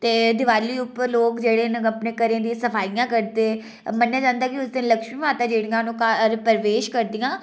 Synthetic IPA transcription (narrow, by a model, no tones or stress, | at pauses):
t̪eːd̪ɪʋaːliːʊploːkd͡ʒeːɽeːnəpneːkəɾẽːd̪ĩːsəpʰaːijãːkəɾt̪eː | mənːaːd͡ʒãːnd̪aːkɪʊsd̪ɪnləkʃmiːʋãːt̪ãːd͡ʒeːɽijãːnũːkaɾpəɾʋeːʃkəɾd̪ijãː